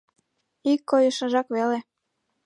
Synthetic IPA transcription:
ikːojə̆ʃə̆ʒɑkβele

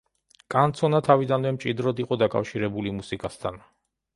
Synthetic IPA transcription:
kʼant̪sʰɔnat̪ʰavid̪anvɛmt͡ʃʼid̪ɾɔd̪iqʼɔd̪akʼa̰fʃiɾɛbulimusikʼast̪ʰa̰n

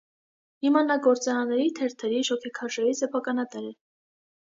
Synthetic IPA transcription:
himɑnɑɡɔɾt͡sɑɾɑnːɛɾit̪ʰɛɾt̪ʰɛɾiʃɔkʰɛkʰɑʃɛɾisɛpʰɑkɑnɑt̪ɛɾɛ

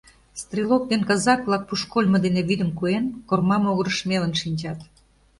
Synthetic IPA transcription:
st̪rʲilok̚d̪enkɑzɑkβlˠɑk̚puʃkolʲmɤ̆d̪eneβid̪ə̆mkuenkormɑmoɣə̆ɾəʃmelə̆nʃinʲt͡ɕɑt̪

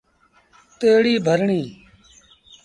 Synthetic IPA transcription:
t̪eːɽiːbʱəɾɳiː

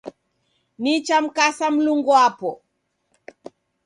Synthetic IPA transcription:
nit͡ʃam̩kasam̩luŋɡɔapɔ

